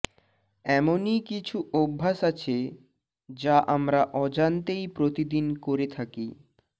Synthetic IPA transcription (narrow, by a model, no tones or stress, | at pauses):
ɛmonikit͡ɕʰuʔobʱːasat͡ɕʰe | d͡ʑaʔamɾaʔɔd͡ʑant̪ejpɾot̪id̪inkoɾet̪ʰaki